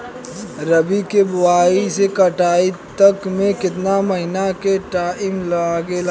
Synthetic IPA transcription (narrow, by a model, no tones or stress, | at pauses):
ɾəbikebʊwaːisekəʈaːit̪əkmẽkɪt̪naməɦɪnakeʈaːɪmlaɡel